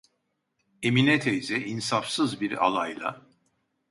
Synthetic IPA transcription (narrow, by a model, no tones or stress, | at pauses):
eminet̪ʰejzɛʔinsafsɯzbiɾa̰lˠajlˠa̰